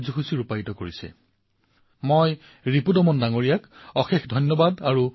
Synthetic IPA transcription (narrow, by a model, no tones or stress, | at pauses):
zixusiɹupajitɔkoɹisɛ̰ | moj | ɹipudɔmɔndaŋoɹijakɔxexdʱɔjnːɔbadaɹu